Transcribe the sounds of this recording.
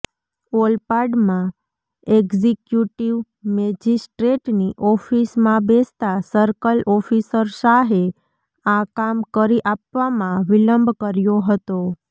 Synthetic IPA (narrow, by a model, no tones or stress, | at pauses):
ɔlpaɾɖmã | eɡzikjuʈiʋ | mɛd͡ʒisʈɾeʈniʔɔfismãbest̪asəɾkəlɔfisəɾsaɦe | akamkəɾiʔapʋamãʋiləmbʱkəɾjoɦət̪o